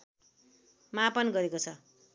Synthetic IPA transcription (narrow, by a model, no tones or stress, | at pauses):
mapʌnɡʌɾekot͡sʰʌ